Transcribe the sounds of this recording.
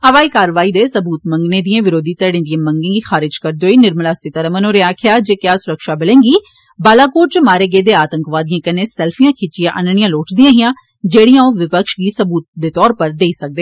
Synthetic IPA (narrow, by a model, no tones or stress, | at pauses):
əʋaːikaːɾʋaːiːd̪eːsəbuːt̪mə̃ŋɡneːd̪iẽːʋɪɾoːd̪iːt̪əɽẽːd̪ijãːmə̃ŋɡẽːɡiːxʰaːɾɪd͡ʒkəɾd̪oːiːnɪɾmlaːsɪt̪əɾəmənõːɾeaːkʰɪjaːd͡ʒeːkjaːsʊɾəkʃaːbɪlẽːŋɡiː | baːlaːkoːɾ̚t͡ʃmaːɾeːɡeːd̪eːaːt̪ə̃ŋkʋaːd̪ijãːkəneːsɛːlfʰijãːkʰɪt͡ʃijãːʔənɳɪjãːloːʈʰd̪ijãːɦɪjãː | d͡ʒeːɽijãːoːʋɪpəkʃɡiːsəbuːt̪̚d̪eːt̪ɔːɾpəɾd̪eːisək̚d̪eː